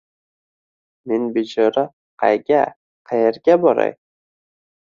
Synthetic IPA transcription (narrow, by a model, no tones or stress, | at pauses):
mɪnbed͡ʒɒɾa | qʰɑ̰jɡʲa | qʰɑjeɾɡʲabɒɾa̰j